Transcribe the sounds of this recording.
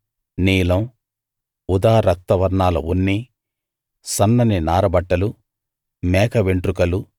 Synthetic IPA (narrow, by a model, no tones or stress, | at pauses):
niːlɐm | ud̪aːɾɐk̚t̪ːɐʋɐɾɳaːlɐ̰unːi | sɐnːɐninaːɾɐbɐʈːɐlu | mɛːkɐʋeɳʈɾukɐlu